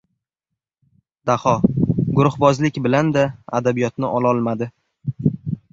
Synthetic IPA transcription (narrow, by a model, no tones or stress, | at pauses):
d̪̥ahɒɡʊɾʊhbɒzlɪkʲbɪland̪aa̰d̪abijɒt̪nɪʔɒlˠɒlˠmad̪ɪ